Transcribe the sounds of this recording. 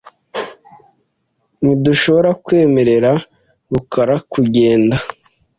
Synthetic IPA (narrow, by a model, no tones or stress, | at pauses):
niduʃo̞βo̞ɾakwe̞ːme̞ɾe̞ɾa | βukaɾakuɟe̞ːnda